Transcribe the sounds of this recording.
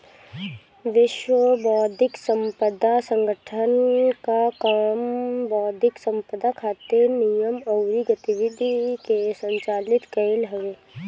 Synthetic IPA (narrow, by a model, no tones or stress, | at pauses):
ʋɪʃʋəbɔːd̪ʱɪksə̃mpəd̪ʱasə̃ŋɡʱəʈʰənkakəmbɔːd̪ʱɪksə̃mpəd̪ʱakʰaːt̪eɾnijəmɐwɾiɡət̪iʋɪd̪ʱikesə̃ɲt͡ʃaːlɪt̪kɐɪlɦɐʋeː